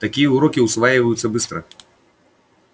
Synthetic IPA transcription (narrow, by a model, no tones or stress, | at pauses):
t̪akʲijɐuɾɔkʲiwsvajivɐjut̪sːɐbɨst̪ɾɐ